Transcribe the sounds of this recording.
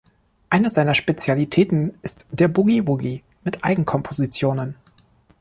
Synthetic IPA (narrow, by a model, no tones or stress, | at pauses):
ʔaɪnəz̥aɪnɐʃpet͡sjalitʰɛːtn̩ɪstd̥eːɐbuɡibuɡi | mɪtʔaɪɡŋ̩kʰɔmpʰozit͡sjoːnən